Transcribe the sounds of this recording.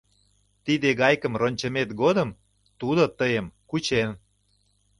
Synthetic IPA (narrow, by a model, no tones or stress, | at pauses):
t̪id̪eɣɑjkə̆mronʲt͡ɕəmet̪ɡod̪əm | t̪ud̪ot̪əjəmkut͡ɕen